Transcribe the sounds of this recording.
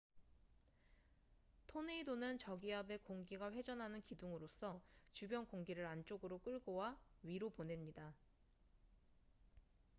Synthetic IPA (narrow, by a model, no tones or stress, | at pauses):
tʰone̞idonɯnt͡ɕʌɡiɦabe̞koŋɡiɡaɸwe̞d͡ʑʌnɦanɯnkiduŋɯɾos͈ʰʌt͡ɕubjʌnkoŋɡiɾɯɾant͡ɕ͈oɡɯɾok͈ɯɭɡowaɥiɾopone̞mɲida